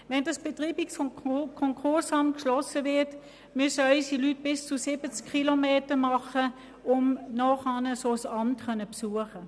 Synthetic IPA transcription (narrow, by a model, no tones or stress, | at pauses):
ʋɛndɑsb̥etʁiːbiksfɔmkʰɔŋkʰʊɐsɑmkʃlɔsəvɪɐt | mʏsəœʏsilyt̚b̥ɪst͡susɪbət͡skʰːilomeːtəmɑχə | ʊmnɔːχɑːnəsoːsɑmtkʰœnəpsuːəχə